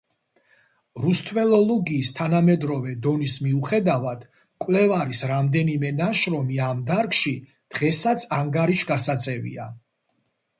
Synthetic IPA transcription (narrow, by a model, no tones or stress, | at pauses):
ɾust̪ʰvɛlˠɔlˠɔɡiːst̪ʰanamɛd̪ɾɔvɛd̪ɔnismiuχɛd̪avad̪̥ | kʼwlɛvaɾisɾamd̪ɛnimɛnaʃɾɔmiamd̪aɾkʃi | d̪̥ʁɛsat̪sʰaŋɡaɾiʃɡasat̪sʼɛvḭa